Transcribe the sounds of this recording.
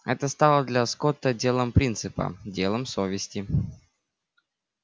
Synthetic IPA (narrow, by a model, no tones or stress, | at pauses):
ɛt̪əst̪alˠəd̪lʲɐskot̪ːədʲelˠəmpɾʲint̪sɨpə̰dʲe̞lˠəmsovʲɪsʲtʲɪ